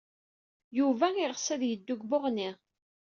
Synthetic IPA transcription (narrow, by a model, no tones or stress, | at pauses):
juvæɪʁsæðjəd̪ːʊɡboʁni